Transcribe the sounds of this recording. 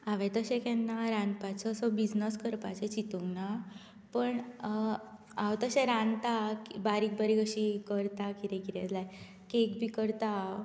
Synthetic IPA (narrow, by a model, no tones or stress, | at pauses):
aʋɛ̃t̪əɕeɛ̃kɛnːaɾãnpat͡səsɔbid͡znəskəɾpat͡set͡ɕit̪uŋɡna | pəɳ | awt̪əɕɛ̃ɾãnt̪akibaɾik̚bəɾikəɕikəɾt̪akiɾẽkiɾed͡zlaj | kekbʱikəɾt̪a